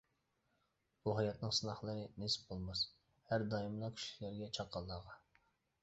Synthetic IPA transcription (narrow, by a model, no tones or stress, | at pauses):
b̥uɦɑjɑt̪nɨŋsɨnɑχlˠəɾɨnesɪ̥p̚bolˠmɑs | hæɾd̪ɑjimlˠɑkʲʰy̥ʃlɪɾɡʲɛt͡ʃʰɑqːɑlˠːɑːʁɑ